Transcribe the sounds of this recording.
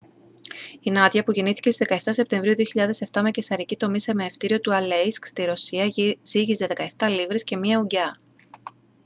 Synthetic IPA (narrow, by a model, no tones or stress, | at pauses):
inɐt̪ʝɐpuʝiniθi̥cest̪izðe̞kɐeft̪ɐse̞p̚t̪e̞ɱvɾiuðio̞çiʎɐðe̞se̞ft̪ɐmecesɐɾicit̪o̞mise̞meːft̪iɾio̞t̪uɐlejskst̪iɾo̞siɐziʝize̞ðe̞kɐeft̪ɐlivɾesce̞miɐuɟɐ